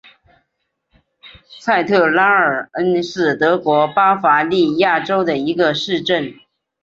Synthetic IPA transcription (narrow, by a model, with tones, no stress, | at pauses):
t͡sʰa˥˧ɪt̪ʰɤ˥˩la˥ə˞˨˩ə˥nʂɻ̩˥˩t̪ɤ˧˥kwɔ˧˥pa˥fa˧˥li˥˧ja˥˩ʈ͡ʂo˥ʊd̪ə˨i˧˥ɡə˧ʂɻ̩˥˧ʈ͡ʂə˥˩n